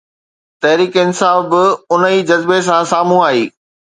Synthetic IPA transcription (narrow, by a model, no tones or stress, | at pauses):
t̪ɐɦɾiːkeɪnɪsaːfbɪʊnəiːd͡ʑɐzbes̬ãsaːm̤ũaːɦiː